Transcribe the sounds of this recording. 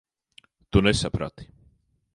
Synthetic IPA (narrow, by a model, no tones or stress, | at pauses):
t̪unɛsapɾa̰t̪i̥